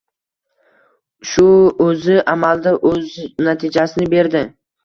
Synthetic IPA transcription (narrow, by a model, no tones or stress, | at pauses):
ʃʊɵzɪʔamald̪aʔɵznat̪ʰɪd͡ʒasɪnɪbe̞ɾd̪ɪ